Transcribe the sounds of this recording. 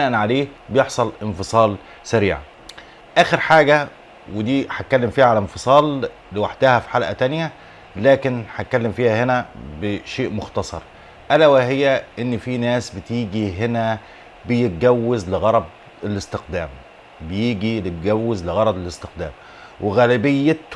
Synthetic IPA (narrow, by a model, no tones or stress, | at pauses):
æːʔænʕaleːbejeħsˤɑlʔɪnfɨsˤɑːl | sæɾiːʕa̰ | ʔæːxeɾħaːɡæ | wed̪iːħat̪̚kælːemfiːhæʕalnfɨsˤɑːlː | ewaħd̪æhæfi̥ħalʔæt̪ænjæ | læːkɪnħat̪̚kːælːemfiːhæhenæbeʃeːʔmoxt̪ɑsˤɑ̰ɾˤ | ʔælæwæɦejːæʔenːfiːnæːsbet̪iːɡiɦenæ | bejet̪̚ɡæwːezlɪɣɑɾˤɑb̚ | elɪst̪ɪqd̪æːm | bejiːɡilɪt̪ɡæwːezlɪɣɑɾˤɑd̪elɪst̪ɪqd̪æːm | wʔeɣæːlɪbɪjːe